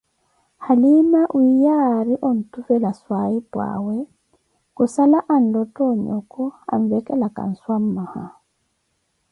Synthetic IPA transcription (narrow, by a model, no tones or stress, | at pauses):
halimaʔwijaɾiʔɔn̩tufɛlaswaipwa̰wɛ | kusalaʔan̩dɔtɔɲɔ̰kɔa̰ɱvɛkɛlaka̰n̩swammaha